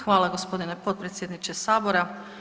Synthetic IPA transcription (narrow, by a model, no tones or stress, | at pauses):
xʋaːlˠaɡo̞spo̞d̪ine̞po̞t̪̚pɾet̪sʲjed̪nit͡ʃesaːbo̞ɾa